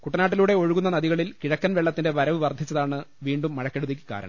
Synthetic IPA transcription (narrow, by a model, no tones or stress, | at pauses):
kuʈːɐnaːʈ̬ːiluːɽe̞o̞ɻuɣunːɐnɐðiɣɐɭilkiɻɐkːɐnʋeɭːɐt̪ːinde̞ʋɐɾɐʋɨʋɐrd̪ʱit͡ɕːɐðaːɳɨʋiːɳɖumːɐɻɐkːe̞ɽut̪ðik̬ʲːi̥ka̰ːɾɐ̰ɳɐ̰m